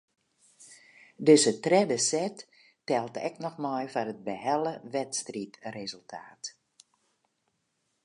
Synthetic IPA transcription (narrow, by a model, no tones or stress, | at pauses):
døsətrɛdəsɛtː | ɛlˠtɛ̰knɔxmɔjfanət̚bəhɛləʋɛtstritrezəlˠtʰaːt